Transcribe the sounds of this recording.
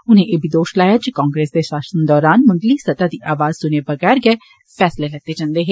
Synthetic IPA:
ʊnẽːʔeːbʱiːd̪oːʃlaːjaːd͡ʒikãːŋɡɾeːsd̪eːʃaːʃənd̪ɔːɾaːnmɐ̃ŋɡliːsɐt̪aːd̪iːʔaːʋaːzsʊneːbəɡɛːɾɡɛː | pʰɛːslelɐɡ̚d̪eːd͡ʒãːnd̪eːɦeː

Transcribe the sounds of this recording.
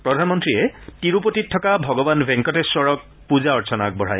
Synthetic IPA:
pɹɔdʱanmɔntɹiɛtiɹupotitʰːɔkabʱɔɡɔbanbʱɛŋkɔtɛsɔɹɔk̚ | puzaɔɹsʰɔnak̚bɔɹ̤a̰j

